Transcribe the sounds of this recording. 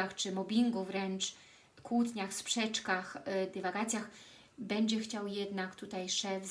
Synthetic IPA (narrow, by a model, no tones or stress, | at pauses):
axt͡ʂɘmɔbʲiŋɡuvɾɛnt͡ʂ | kwut̪ɲaxspʂɛt͡ʂkaxd̪ɛvaɡat̪sʲjax | bɛɲd͡ʑɛxt͡ɕawjɛd̪nakt̪ut̪ajʂɛvz